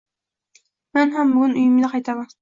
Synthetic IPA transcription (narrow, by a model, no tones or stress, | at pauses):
menɦambʊɡʊnʊjɪmd̪aqʰɑjt̪ʰaman